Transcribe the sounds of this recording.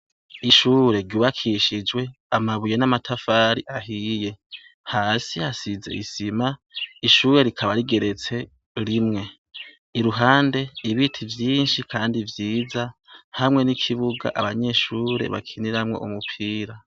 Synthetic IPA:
iʃuːɾe̞ɾɟuːβakʰiʃid͡ʒwe̞amaβujenamatʰafaːɾiʔaɦiːje̞ | haːsiasize̞̰ʔisimaiʃuːɾe̞ɾikʰaβaɾiɡe̞ɾe̞t͡se̞ | ɾimŋe̞ | iɾuɦaːnde̞iβitʰivjiːnʃikʰaːndivjiːzahamŋe̞nikʰiβuɡa̰ʔa̰βaɲe̞ʃuːɾe̞̰βa̰kʰiniɾamŋo̞̰ʔumupʰiːɾa

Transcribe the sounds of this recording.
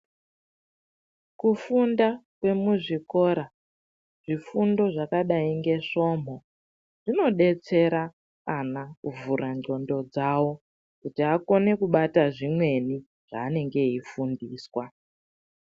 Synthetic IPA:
kufundakwe̞muʐiko̞ɾa | ʐ̥ifundo̞ʐakaɗaiŋɡe̞ʂo̞m̤o̞ | ʐ̥ino̞ɗe̞t͡se̞ɾa | kanakuvuɾand͡ɮo̞ndo̞d͡zawo̞ | kutiako̞ne̞kuɓataʐimwe̞ni | ʐ̥a̰ːne̞ŋɡe̞ɦifundiːswa

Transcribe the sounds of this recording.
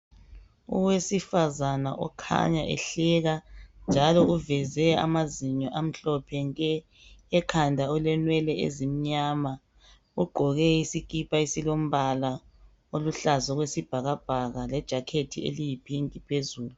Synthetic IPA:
ṵwesifazanaʔɔ̰kʰa̰ɲaʔɛ̰ɬɛɣand͡ʒʱalɔuvɛzɛa̰maziɲɔʔam̩ɬɔpʰɛŋɛː | kʰandʱaɔlɛnwɛlɛḛzim̩ɲaːma | uɡ͡ǃʱɔɣɛisikʼipʰʼaisilom̩βala | oluɬazɔɣwesib̥ʱaɣab̥ʱaɣalɛd̥ʒ̥ʱakʰetʰiḛlijipʰiŋkʼipʰezuːlu

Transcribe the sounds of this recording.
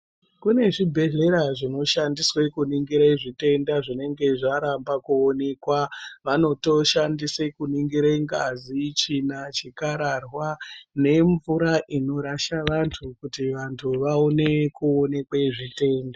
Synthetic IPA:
kune̞ʐibʱe̞ɮe̞ɾaʐino̞ʃandiswekuniŋɡiɾaiʐite̞ndaʐine̞ŋɡe̞ʐaɾambakuone̞kwaʋano̞to̞ʃandisekuniŋɡiɾaiŋɡazit͡ʃinat͡ʃikaɾarwane̞ɱvuɾaʔino̞ɾaʃaʋantʰukutiʋantʰuʋaone̞kuone̞kwaʐite̞ːnda

